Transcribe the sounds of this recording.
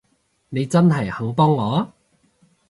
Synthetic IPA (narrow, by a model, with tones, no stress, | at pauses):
ne˨˧jt͡sɐ˥nɦɐ˨jho˨˥wp̬ɔː˥ŋŋɔː˨˥